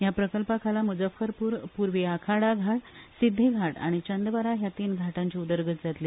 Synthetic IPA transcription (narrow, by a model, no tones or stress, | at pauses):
japɾəkəlpakʰalamud͡zəfəɾpuːɾpuɾʋeakʰaɽaɡʱaʈsid̪ʱːeɡʱaʈa̰ɽ̃it͡ɕənd̪ʋaɾaɦjat̪iːnɡʱaʈãɲt͡ɕiud̪əɾɡət̪d͡zat̪liː